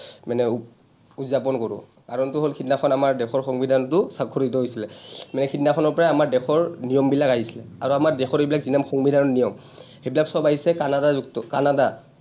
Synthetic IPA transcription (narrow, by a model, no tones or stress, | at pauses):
manɛ | uzapɔnkoɹʊ̰ | kaɹɔntʊɦolkʰitnaxʰɔnamaɹdɛxʰɔɹxɔŋbidʱantʊsakʰːoɹit̬ɔɦojsilɛmanɛkʰitnakʰɔnɔɹpɔɹaamaɹdɛxʰɔɹnijɔmbilakaɦisi̥lɛ̰a̰ɹuamaɹdɛxʰɔɹejbilakzinamxɔŋbidʱanɔnijɔm | hejbilaksɔbaɦisɛkanadazuk̚tɔkanada